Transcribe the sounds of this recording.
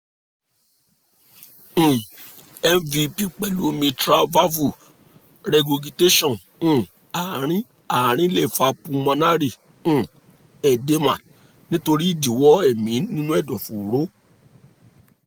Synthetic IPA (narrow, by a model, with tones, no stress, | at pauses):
ɛ˦m˦vi˧pi˦k͡pɛ˨lu˨˦mĩ˧tɾa˦va˦vu˦˨ | ɾɛ˧ɡo˧ɡi˧te˦ʃɔ̃˦˨ñ̩˦˨ | a˨ɾ̃ĩ˦ | a˨ɾ̃ĩ˦le˦˨fa˧pũ˧mã˧na˦ɾĩ˦˨˦ | ɛ˨de˦mã̰˨ | nĩ˦to˧ɾi˦i˦˨di˨wɔ˨˦ɛ˦˨mĩ˨˦nĩ˦nũ˦ɛ˦˨dɔ̃˨fũ˨ɾo˨˦